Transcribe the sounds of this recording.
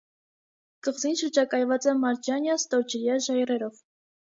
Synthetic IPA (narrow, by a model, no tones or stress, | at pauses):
kəʁzinʃəɾd͡ʒɑkɑjvɑt͡sɛmɑɾd͡ʒɑnjɑst̪ɔɾd͡ʒəɾjɑʒɑjrɛɾɔv